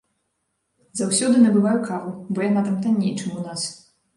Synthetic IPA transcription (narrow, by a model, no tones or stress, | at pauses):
zawsʲɔd̪ɨnɐbɨvajukavubɔjanat̪amt̪anʲːejt͡ʂɨmunas